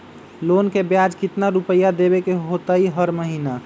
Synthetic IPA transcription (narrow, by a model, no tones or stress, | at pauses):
lonkebjad͡ʒkɪt̪naɾupəjːad̪ebekeɦot̪aiɦəɾməɦina